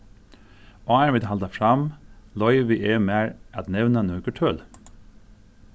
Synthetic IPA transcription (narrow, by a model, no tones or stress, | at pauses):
ɑːæɹʋɪd̪hɑld̪əfɹɑmlɔʏʋɪʔeːmæːɹʔɑt̪nɛʋnənøːɡəʈʰœl